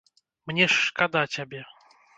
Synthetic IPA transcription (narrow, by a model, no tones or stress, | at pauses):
mnʲɛʂkad̪atʲabʲɛ